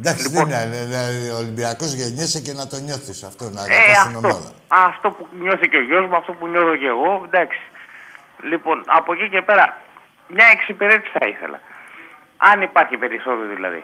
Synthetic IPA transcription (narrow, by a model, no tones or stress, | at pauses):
nd̪ɐksiiðemɲɐneneolimbiɐko̞zʝeɲesecenɐt̪o̞ɲo̞θisɐft̪o̞nɐðesɐinomoɐðɐ̰ | ɐft̪o̞puɲo̞θiceoʝo̞zmoɐft̪o̞puɲo̞θo̞ce̞ɣo̞nd̪ɐksi̥ | lipo̞nɐ̰po̞cice̞pe̞ɾɐ | mɲɐeksipeɾe̞t̪isθɐ̰iθe̞̰lɐ̰ | ɐnipɐɾçipe̞ɾiso̞t̪eoðilɐ̰ðḭ